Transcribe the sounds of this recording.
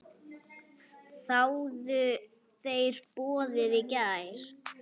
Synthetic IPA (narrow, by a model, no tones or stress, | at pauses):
θawðʏ | θeːjɾ̥pɔːðɪðɪcaːjɾ̥